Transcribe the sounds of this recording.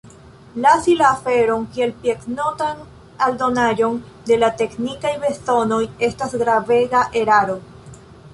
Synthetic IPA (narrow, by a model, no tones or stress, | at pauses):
lasilaːfe̞ɾo̞ŋkie̞lpiekno̞tan | aldo̞naʎo̞n | de̞late̞knikajbe̞so̞no̞je̞stasɡɾave̞ɡaʔeɾaɾo̞